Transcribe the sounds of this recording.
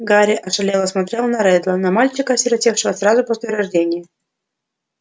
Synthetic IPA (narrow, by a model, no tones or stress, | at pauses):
ɡaɾʲɪʔɐʂɐlʲelˠəsmɐt̪ɾʲe̞lˠnɐɾɛd̪lˠənɐmalʲt͡ɕɪkəsʲɪɾʲɐtʲe̞fʂəvəsrazʊpo̞sʲlʲɪɾɐʐdʲenʲɪjə